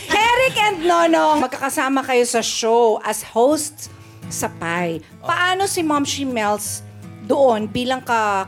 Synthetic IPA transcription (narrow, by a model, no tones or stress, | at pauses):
hɛɾɪkʔɛnd̪̚noːnoŋmɐɡ̚kɐkɐsaːmɐkɐjo̞sɐʃowʔɐshowst̪ | sɐpaj | pɐʔaːno̞sɪmamʃimɛlsd̪oʔonbiːlɐŋkɐ